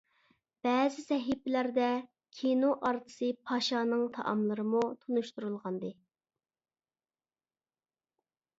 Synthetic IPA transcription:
b̥ɛːzɪsɛɦipɪlæɾd̪ɛ | kʲʰenoʔɑɾt̪ʰɨ̥sɨpʰɑʃɑnɨŋt̪ʰɑ̰ʔɑ̰mlˠɨɾɨmut̪ʰunuʃt̪uɾulˠʁɑnd̪ɨ

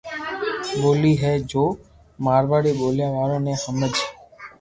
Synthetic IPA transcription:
boliːɦɛd͡ʒo | maːɾbaɽiboljaʋaɾõnehəməd͡ʒ

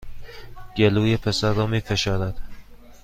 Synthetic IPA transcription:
ɟ̥eluːjepʰesæɾːɒːmiːfeʃɒːɾæd̪̥

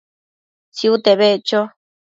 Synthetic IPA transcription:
t͡siut̪eβet͡ʃo

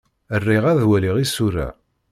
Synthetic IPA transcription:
ərːɪʁæðwæliʁisuɾæ̰

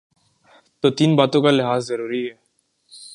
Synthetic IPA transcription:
t̪ot̪iːnbaːt̪õkalɪɦaːzːɐɾuːɾiɦɛː

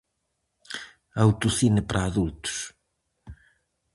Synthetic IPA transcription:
awt̪uθinɪpɾʔaːðult̪u̥s

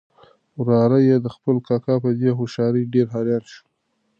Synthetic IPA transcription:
wɾɑɾajed̪əxpəlkɑkɑpəd̪eɦoʃɑɾiɖeɾɦɑɾjɑnʃu̥

